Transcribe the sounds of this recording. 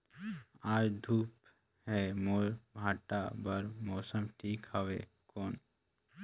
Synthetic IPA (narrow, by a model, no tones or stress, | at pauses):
aːd͡ʒd̪ʱuːp | hɛːmoːɾbʱaːʈabəɾmoːsəmʈʰiːkhəʋḛː | koːn